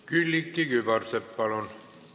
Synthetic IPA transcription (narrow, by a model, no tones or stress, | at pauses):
kylʲːikːikypɑrsepːɑlon